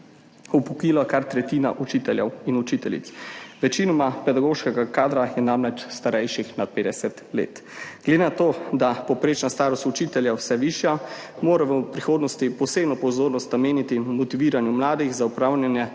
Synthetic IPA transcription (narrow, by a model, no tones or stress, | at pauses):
ɔpukiːlakaɾt̪ɾɛt̪iːna̰ʔut͡ʃiːt̪ɛljɛwinut͡ʃiːt̪ɛlḭt̪sʋɛt͡ʃinɔmapɛd̪aɡoːʃkɛɡakaːd̪ɾajɛnamlɛt͡ʃst̪aɾɛjʃixnat̪̚peːd̪ɛsɛt̪lḛːt̪ɡ̥led̪enat̪oːd̪apɔpɾeːt͡ʃnast̪aːɾɔst̪ut͡ʃiːt̪ɛljɛwsɛʋiːʃjamoːɾaʋɔpɾixoːd̪nɔst̪ipɔseːbnɔpɔzoːɾnɔst̪nameːnit̪imɔt̪iʋiːɾanjumlaːd̪iɣzaupɾaːwnjanjɛ